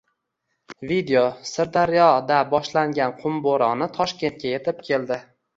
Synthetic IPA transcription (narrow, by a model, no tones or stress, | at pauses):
vid̪eosɪɾd̪aɾjɒd̪abɒʃlaŋɡʲanqʰʊmboɾɒnɪt̪ʰɒʃkʲe̞nt̪̚kʲʰaje̞t̪ʰɪp̚kʲʰe̞ld̪ɪ